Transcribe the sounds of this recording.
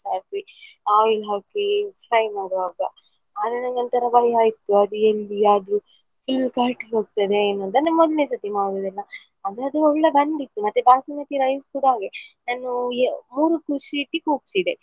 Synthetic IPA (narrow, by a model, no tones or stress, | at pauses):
saːki | aːʋilɦaːkifɾɐjmaːɾʋaːɡɐ | aːd̪ɐnɐŋɡɐnt̪ɐɾɐbɐjaːjit̪ːuɐd̪uelːiaːd̪ɾu | fʰillkaːɾʈiɦoːɡ̚t̪ɐd̪eːnːuɐnt̪ɐnːɐmɔd̪lnes̬ɐt̪ːimaːd̪ɐd̪ɛlːɐ | ɐd̪ad̪ɾuɔɭːɐbɐɳɖit̪ːumɐt̪ːebaːsinɐt̪iɾɐjʋskuːɽɐɦaːɡenaːnumuːɾukuʃiːʈːikuːpsid̪e